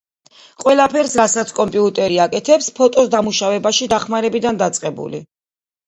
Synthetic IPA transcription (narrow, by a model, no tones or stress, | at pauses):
qʼwɛlˠapʰɛɾsɾasat̪sʰkʼɔmpʼiut̪ʼɛɾiakʼɛt̪ʰɛpspʰɔt̪ʼɔsd̪amuʃavɛbaʃid̪aχmaɾɛbid̪and̪at̪sʼqʼɛbṵlḭ